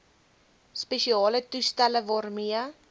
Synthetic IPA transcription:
speʃiɑːlətustæləvɑːrmiə

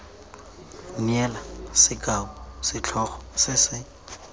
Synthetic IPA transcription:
nɛlasɪkabɔsɪt͡ɬʰɔχɔsɪsɪ

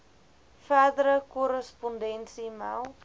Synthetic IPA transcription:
fæːdəɾəkɔɾəspɔndɛnsimɛw

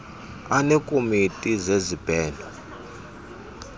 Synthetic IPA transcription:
anɛkʼomitʼizezib̥ʱɛːndʱɔ

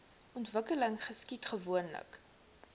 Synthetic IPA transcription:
ɔntvəkələŋχəskitχəvuənlə̰k

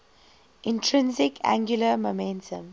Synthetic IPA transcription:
ʔɪ̃ntʰɹɪ̃nzɪkʰã̰ŋɡjuləmomɛ̃ntʰə̰̃m

